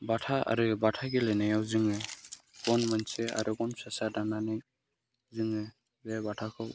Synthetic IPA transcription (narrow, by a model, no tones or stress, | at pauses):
batʰaa̰ɾɯbatʰaɡelɛnajawzɯŋɯɡ̥ɔnmansɛa̰ɾɯbɔnpʰasadananɯj | zɯŋɯ | zɛbatʰakʰɔw